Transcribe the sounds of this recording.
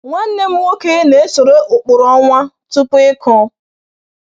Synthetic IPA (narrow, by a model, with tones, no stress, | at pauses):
ŋʷa˦n̩˦ne˦m̩˦wo˦ke˦ne˨e˦so˨ɾe˦ʔʊ˨k͡pʊ˨ɾɔ˦ŋʷa˦ | tʊ˦pʊ˦ɪ˦kɔ˦